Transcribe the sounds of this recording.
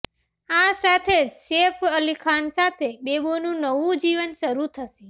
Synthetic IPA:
asat̪ʰed͡ʒsepʰəlikʰansat̪ʰebebonũnəʋũd͡ʒiʋənʃəɾut̪ʰəʃi

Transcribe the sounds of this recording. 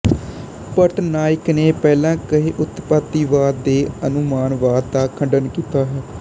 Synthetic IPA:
pəʈnaːɪkneːpɛːlãːkəɦeːʔʊt̪pat̪ːiːʋaːd̪d̪eːənʊmaːnʋaːd̪t̪aːkʰəɳɖənkiːt̪aːɦɛː

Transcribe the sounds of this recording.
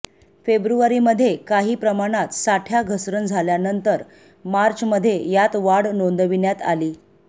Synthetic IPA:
febɾuʋaɾiməd̪ʱːjekaɦiːpɾəmaɽ̃at̪saʈʰjaɡʱəsɾənd͡zʱaljanənt̪əɾ | maɾt͡ɕməd̪ʱːjejat̪ʋaɽnond̪ʋinjat̪a̰liː

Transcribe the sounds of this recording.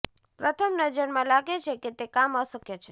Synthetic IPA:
pɾət̪ʰəmnəd͡ʒəɾmãlaɡet͡ʃʰeket̪ekaməsəkjat͡ʃʰe̥

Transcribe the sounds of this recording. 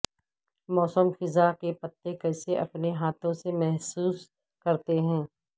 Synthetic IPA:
mɔːsəmxɪzakepɐt̪ːekɐɪseʔɐpneɦaːt̪ʰõsemɛɦsuːs | kɐɾt̪eɦɛ̃ː

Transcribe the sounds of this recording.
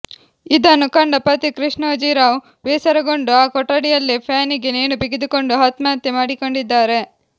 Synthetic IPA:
id̪ɐnːukɐɳɖɐpɐt̪ikɾiʂɳɐɐd͡ʒiːɾaːw | ʋeːsɐɾɐɡoɳɖuaːkɔʈːɐɽijɐlːipʰaːniɡeneːnubiɡid̪ukoɳɖuɦaːt̪maːɐt̪ːemaːɽikoɳɖid̪ːaːɾe̞

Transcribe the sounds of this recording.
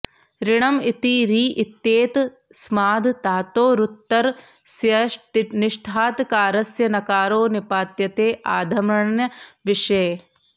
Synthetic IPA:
ɾiɳɐmit̪iɾiːʔit̪ːeːt̪ | smaːd̪t̪aːt̪oːɾut̪ːɐɾ | sjɐʈniʂʈʰaːt̪kaːɾɐsjɐnɐkaːɾoːnipaːt̪jɐt̪eːʔaːd̪ʱɐmɐɳnjɐʋiʂeː

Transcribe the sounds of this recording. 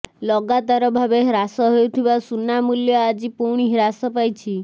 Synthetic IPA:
lɔɡat̪aɾɔbʱabeɦɾasɔɦeut̪ʰibasunamuljɔad͡ʒipuɽ̃iɦɾasɔpajt͡ʃʰi

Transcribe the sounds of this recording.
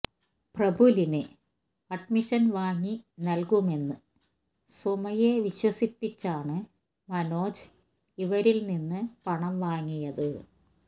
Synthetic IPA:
prɐbʱulinɨ | ɐɖmiʂɐnʋaːŋːinɐlkume̞nːɨ | sumɐjeʋiɕwɐsipːit͡ɕːaːɳɨ | mɐno̞ːd͡ʑ | iʋɐɾilninːɨpɐɳɐmʋaːŋːijɐðɨ

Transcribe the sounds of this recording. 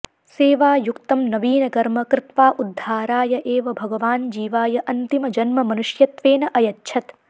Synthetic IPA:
seːʋaːjukt̪ɐmnɐʋiːnɐkɐɾmɐkɾɪt̪ʋaːʔud̪ʱːaːɾaːjɐʔeːʋɐbʱɐɡɐʋaːnd͡ʒiːʋaːjɐʔɐnt̪imɐd͡ʒɐnmɐmɐnuʃjɐt̪ʋeːnɐʔɐjɐtːʃʰɐt̪

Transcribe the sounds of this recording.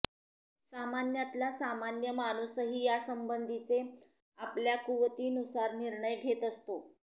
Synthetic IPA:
samanjat̪lasamanjəmanusəɦiːjasəmbənd̪ʱit͡se | apljakuʋt̪iːnusaɾniɾɳəjɡʱet̪əst̪o

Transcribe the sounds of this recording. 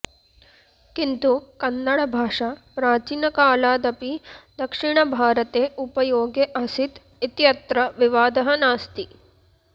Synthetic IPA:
kint̪ukɐnːɐɽɐbʱaːʂapɾaːt͡ʃinɐkaːlaːd̪ɐpid̪ɐkʂiɳɐbʱaːɾɐt̪eːʔupɐjoːɡjeʔɐsit̪ | it̪jɐt̪ɾɐʋiʋaːd̪ɐɦɐnaːst̪i

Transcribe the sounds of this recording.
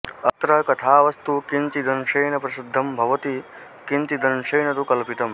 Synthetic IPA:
ɐt̪ɾɐɦkɐt̪ʰaːʋɐst̪ukint̪id̪ɐnʂɐjɳɐpɾɐsid̪ʱːɐmbʱɐʋɐt̪i | kint̪id̪ɐnʂɐjɳɐt̪ukɐlpit̪ɐm

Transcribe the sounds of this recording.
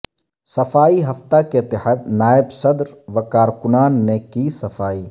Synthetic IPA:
sɐfaːiɦɐft̪akeɪt̪ːɪɦaːd̪naːɪbsɐd̪ɾʋɐkaːɾkʊnaːnːekisɐfaːiː

